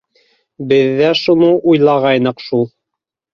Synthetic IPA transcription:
bɘ̆ðːæʃunɤʔujlˠɑʁɑjnɤ̆qʃulˠ

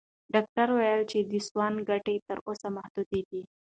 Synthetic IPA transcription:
ɖɑk̚ʈaɾwajəlt͡ʃed̪əswɑnɡaʈet̪əɾʔosamahd̪ud̪ed̪i

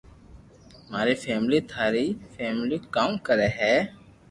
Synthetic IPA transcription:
maːɾifʰɛːmliːt̪ʰaːɾifɛːmlikamkəɾeːɦɛː

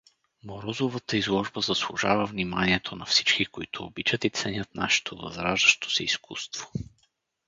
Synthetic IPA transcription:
moɾɔzovət̪əizlˠɔʒbəzɐslˠuʒa̰vəvnimaniɛt̪ʰonɐfsit͡ʃkikoit̪ʰʊːbit͡ʃət̪it̪sɛnʲət̪̚naʃɛ̥t̪ʰovɐ̰zɾaʒd̪əʃt̪o̥sɛiskust̪v̥o̥

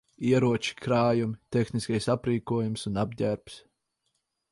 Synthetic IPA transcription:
iɛɾuɔt͡ʃi̥kɾaːjumit̪exniskajsapɾiːkuɔjumsunab̚ɟʲæɾps

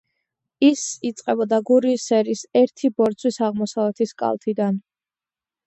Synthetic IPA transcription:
isit̪sʼqʼɛbɔd̪aɡuɾiːsɛɾisɛɾt̪ʰibɔɾt̪sʰwisaʁmɔsavlɛt̪ʰiskʼa̰lˠt̪ʰid̪an

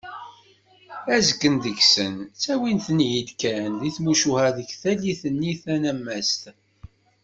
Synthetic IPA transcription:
æzəkːənd̪əksənt͡sːæwinθənjid̪kænðiθmuʃuhæðəçθæliθənːiθænæmːæst̪

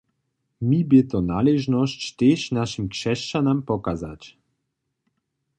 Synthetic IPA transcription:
mibjɛt̪ɔna̰lɛʒnɔst͡ɕt̪eʃnaʃimkʂɛʃt͡ʃanampɔkazat͡ɕ

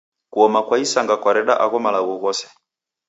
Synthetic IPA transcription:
kuɔmakwaisaŋɡakwaɾɛɗaʔaɣɔmalaɣɔɣɔsɛ̥

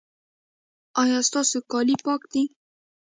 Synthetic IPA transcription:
ɑjɑst̪ɑsokɑlipɑkd̪i

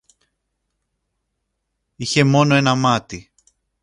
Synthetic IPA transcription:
içe̞mo̞no̞e̞nɐmɐt̪i

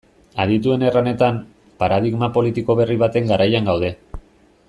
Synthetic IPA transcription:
aðit̪ue̞ne̞rane̞t̪am | paɾað̞iɣmapo̞lit̪iko̞βe̞riβ̞at̪e̞ŋɡaɾajaŋɡawð̞e̞

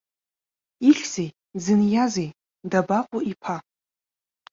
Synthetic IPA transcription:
iɬʲz̥ej | d͡zɨnjazej | dabaqʷʼʊipʰa

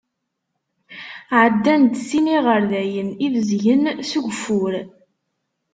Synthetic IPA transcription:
ʕəd̪ːænt̪siniʁəɾðæjənivəzʝənsuʝʷfʊɾ

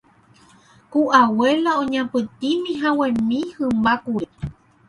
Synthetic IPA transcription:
kuʔawelaõɲãpɨt̪imĩɦãwẽmĩhɨmbakuɾe

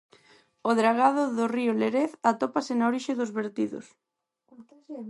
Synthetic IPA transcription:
oðɾaɣaðʊðorioleɾeθat̪opasɪnaoɾiʃeðozβeɾt̪iðo̰s

